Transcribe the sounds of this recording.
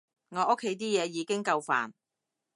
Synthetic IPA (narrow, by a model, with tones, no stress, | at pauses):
ŋɔː˨˧ʔʊ˥kʰːe˨˧jt̪̬iː˥jɛː˨˧jiː˨˧kɪ˥ŋkɐ˧wfa̰ː˨n